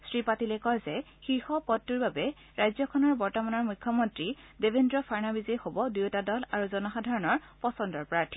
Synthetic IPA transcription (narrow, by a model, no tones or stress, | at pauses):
sɹipatilɛkɔjzɛ | xixhɔpɔtːuɹbabɛ | ɹajzɔkʰɔnɔɹbɔɹtɔmanɔɹmujkʰːjɔmɔntɹi | debendɹɔpʰaɹnabizejxobɔdiwtadɔlaɹuzɔnɔxadʱaɹɔnɔɹ | pɔsɔndɔɹpɹaɹtʰi̥